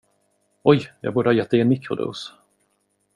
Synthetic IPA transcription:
ɔjjɑ̰ɡbuːɖəhɑːjɛt̪̚ːɛɪeːnmɪkɾʊ̰d̪ɵ̰ːs

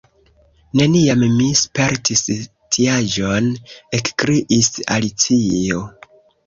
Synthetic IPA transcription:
ne̞niammispe̞ɾtʰis | tʰiad͡ʒo̞ne̞kkɾiʔisa̰lit͡sio

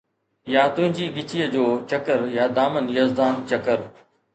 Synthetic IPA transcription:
jaːt̪ʊ̃ɦɪ̃ɲd͡ʑiːɠɪt͡ɕiːəd͡ʑoːt͡ɕəkəɾjaːd̪aːmənjəzd̪aːnt͡ɕɐkəɾ

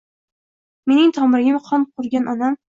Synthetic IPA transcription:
me̞nɪŋt̪ʰɒmɪɾɪɡʲɪmqʰɒnqʰʊɾɡʲanʔɒnam

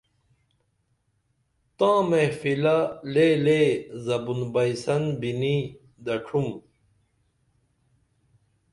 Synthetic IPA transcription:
t̪ãːmẽfilalelezɐbunbɐjsɐnbini | d̪ɐʈ͡ʂʰum

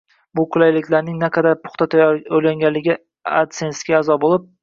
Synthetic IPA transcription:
bʊkʰʊlajlɪkʲlaɾnɪŋnaqʰɑd̪aɾpʰʊ̥χt̪at̪ʰɾʲaŋɡʲanlːɪɡʲɪ | a̰t̪sensɡʲaːzɒbolˠɪp̚

